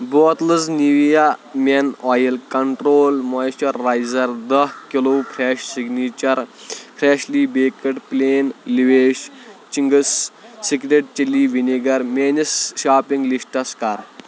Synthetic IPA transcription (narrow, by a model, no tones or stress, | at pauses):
boːt̪lɨzniʋijamʲenɔːjɐlkɐɳʈɾoːlmɔjʃɐɾːaːjzɐɾd̪ɐhkiloːpʰɾeʃsiɡnit͡ʃɐɾfʰɾeːɕliːbeːkɐʈpleːnliʋeːʃ | t͡ʃiŋɡəssikɾeʈ̚t͡ʃiliːʋiniɡɐɾmeːnisʃaːpiŋɡlisʈɐskaːɾ